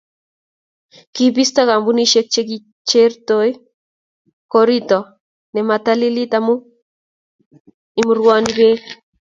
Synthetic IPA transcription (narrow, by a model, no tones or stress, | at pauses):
kipist̪akambuniʃek̚t͡ʃek̬i | t͡ʃertoj | koɾitɔ | nɛmatalilit̪amu | imuɾwanibe